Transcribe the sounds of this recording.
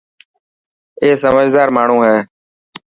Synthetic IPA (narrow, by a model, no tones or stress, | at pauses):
eːsəməd͡ʒd̪aːɾmaːɳ̤ũːɦɛː